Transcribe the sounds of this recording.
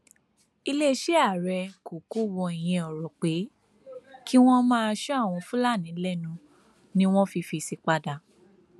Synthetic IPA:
i˧le˦˧˦ʃe˦a˦˨ɾɛ˧ko˨ko˦wɔ˧i˨j̃ɛ̃˧ɔ˨ɾɔ˨k͡pe˨˦ | kʰi˦w̃ɔ̃˦mãː˦a˧ʃɔ˦a˦˨w̃ɔ̃˧fũ˦la˦˨nĩ˨˦lɛ˦˨nũ˧ | nĩ˦w̃ɔ̃˦fi˧fi˧si˧k͡pa˧da˨

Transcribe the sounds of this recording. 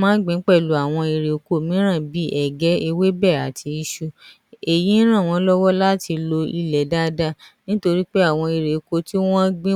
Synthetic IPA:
mãː˦ɡ͡bĩ˨˦k͡pɛ˦˨lu˨˦a˨w̃ɔ̃˧i˧ɾe˨ko˨˦˨mĩ˨˦ɾ̃ã˦˨bi˨˦ʔɛ˦˨ɡɛ˨˦e˧we˦bɛ˦˨a˨tʰi˧i˧ʃu˧ | e˨jĩ˨˦ɾ̃ã˦˨w̃ɔ̃˧˦lɔ˦wɔ˦la˦ti˧lo˧i˧lɛ˨da˦da˦nĩ˦to˧ɾi˦k͡pe˦a˦˨w̃ɔ̃˧i˧ɾe˨ko˧ti˦w̃ɔ̃˦ɡ͡bĩ˦

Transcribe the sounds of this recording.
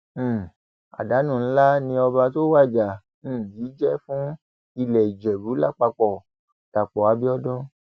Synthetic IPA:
a̰˨da˨˦nũ˦˨n̩˦la˦nĩ˧ɔ˧ba˧to˦wa˦˨d͡ʒa˨ | n̩˦˨jiː˨˦d͡ʒɛ˦fũ˦ | i˧lɛ˨i˨d͡ʒɛ˨bu˨˦la˦˨k͡pa˧k͡pɔ˨ | ta˨k͡pɔ˨a˧˦bi˦ɔ˦dɔ̃˦

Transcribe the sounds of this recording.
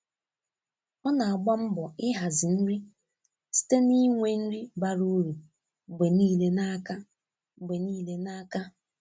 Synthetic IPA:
ɔ˦na˨a˨ɡ͡ba˦m̩˦bɔ˨ɪ˦ɦa˨zɪ˨n̩˦ɾi˦ | si̥˦te˦ni˦ŋʷe˦n̩˦ɾi˦ba˦ɾu˦ɾu˨ | ɡ͡be˨niː˦le˦na˦ka˦ | ɡ͡be˨niː˦le˦na˦ka˦

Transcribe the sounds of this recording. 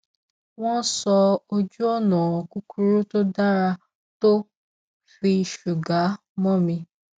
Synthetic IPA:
w̃ɔ̃˦sɔ˧o˧d͡ʒu˦ɔ˦˨nã˨ɔ˨ku˦ku˦ɾo˦to˦da˦ɾa˧ | to˦ | fi˧ʃu˨ɡa˨˦ | mɔ̃˦mĩ˧

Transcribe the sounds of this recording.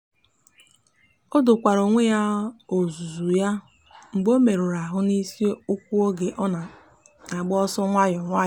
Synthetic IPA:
o˦dʊ˨kʷa˨ɾo˨ŋʷe˦ja˦o˨zu˨zu˨ja˦ | ŋ͡m̩˨ɡ͡bo˦me˨ɾo˨ɾa˨ɦʊ˦ni˦si˦o˦ʊ˦k̚ʷu˦o˦ɡe˨ʔɔ˦na˨ | a˨ɡ͡bɔ˦sɔ˦ŋʷa˦jɔ˨ŋʷa˦˨

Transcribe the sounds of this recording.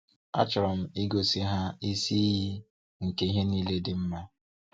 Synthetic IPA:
a̰˦t͡ʃɾɔ˨m̩˨i˦ɡo˨si˦ɦa˦i˦si˦ji˦ | ŋ̩˨ke˦i˦ɦe˦niː˦le˦dɪ˨m̩˦ma˦

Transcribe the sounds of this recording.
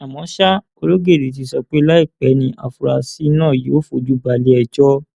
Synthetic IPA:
a˨mɔ̃˨˦ʃa˦ | o˧lo˦ɡe˦˨di˨t̬i˧˦sɔ˧k͡pe˦la˦i˦˨k͡pɛ˨˦nĩ˧˦ʔa̰˧˨fu˧ɾa˧si˦nãː˦˨je˨˦o˦fo˧˨d͡ʒu˦ba˧le˦ɛ˧d͡ʒɔ˦

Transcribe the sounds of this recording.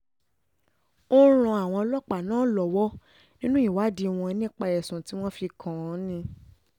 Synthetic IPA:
o˦ɾ̃ɔ̃˧˦a˨w̃ɔ̃˧lɔ˦k͡pa˨nãː˦lɔ˨wɔ˦ | nĩ˦nũ˦i˦˨wa˨˦di˧w̃ɔ̃˧ɛ˧nĩ˦k͡pa˧jɛ˨sũ˨ti˨˦w̃ɔ̃˦fi˧kʰã˨˦nĩ˧

